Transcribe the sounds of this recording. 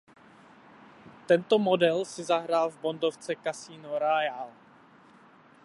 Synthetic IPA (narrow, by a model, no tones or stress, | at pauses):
t̪ɛnt̪omodɛlsɪzaɦɾaːlvbondoft͡sɛkasiːnoɾajal